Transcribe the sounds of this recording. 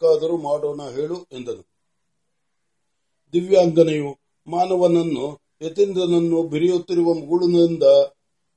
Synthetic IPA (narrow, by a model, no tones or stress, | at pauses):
kaːd̪ɐɾumaːɽoːnɐɦe̞ːɭuend̪ɐnu | d̪iʋjaːŋɡɐnɐju | maːnɐʋɐnɐnːu | et̪ːind̪ɐnɐnːubʱiɾijut̪ːiɾuʋɐmɐɡuɭunɐind̪ɐ